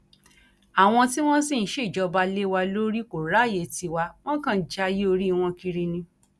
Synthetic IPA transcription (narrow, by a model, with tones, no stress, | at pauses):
a˨w̃ɔ̃˧ti˦w̃ɔ̃˦sĩ˦˨ʃe˦˨d͡ʒɔ˧ba˧le˦wa˧lo˦ɾi˦ko˨ɾa˨˦˨je˨ti˧wa˧w̃ɔ̃˦kã˦˨d͡ʒa˧ji˦o˧ɾi˦˧w̃ɔ̃˧ki˧ɾi˧nĩ˧